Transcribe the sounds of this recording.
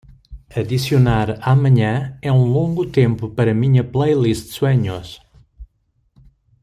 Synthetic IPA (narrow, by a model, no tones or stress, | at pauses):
ɐðisjunaɾamɐɲɐ̃ɛũlˠõŋɡut̪ẽmpupɐɾɐmĩɲɐplˠejlist̪swɛɲos